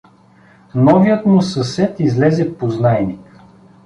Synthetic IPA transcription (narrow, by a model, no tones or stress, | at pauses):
nɔvijət̪mʊsɐsɛt̪izlɛzɛpoznajnik